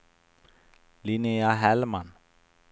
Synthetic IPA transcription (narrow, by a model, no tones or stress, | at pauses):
lineaɦɛlman